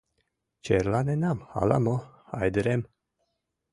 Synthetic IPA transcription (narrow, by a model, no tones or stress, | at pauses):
t͡ʃeɾlanenamha̰la̰mohajd̪əɾem